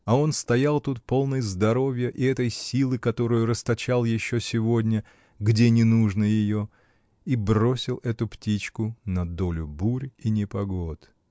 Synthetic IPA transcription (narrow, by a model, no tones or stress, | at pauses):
ɐo̞nst̪ɐjalˠt̪ut̪̚po̞lˠnɨjzd̪ɐɾo̞vʲjəʔiɛt̪əjsʲilˠɨkɐt̪o̞ɾɨjʊɾəst̪ɐt͡ɕalˠjɪɕːosʲɪvo̞dʲnʲə | ɡdʲe̞nʲɪnuʐnəjɪjo̞ | ibro̞sʲɪlˠɛt̪ʊptʲit͡ɕkʊnɐd̪o̞lʲʊbuɾʲinʲɪpɐɡo̞t̪